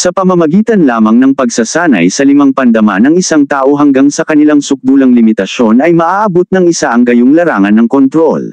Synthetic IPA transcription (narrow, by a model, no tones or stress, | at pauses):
sɐpɐmɐmɐɡiːt̪ɐnlaːmɐŋnɐŋpɐɡsɐsaːnɐ̰jsɐlɪmaŋpɐnd̪ɐmanːɐŋɪsaŋt̪aːʔo̞ɦɐŋɡaŋsɐkɐnɪlaŋsʊk̚d̪uːlɐŋlɪmɪt̪ɐʃo̞nɐjmɐʔaːʔɐbot̪̚nɐŋɪsaʔɐŋɡɐjoŋlɐɾaːŋɐnːɐŋkont̪ɾo̞̰l